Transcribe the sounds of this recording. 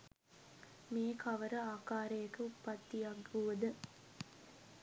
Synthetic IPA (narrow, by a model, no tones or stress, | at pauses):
meːkʰɐʋəɾəaːkaːɾəjɐkəupːɐt̪ːijaɡuʋəd̪ə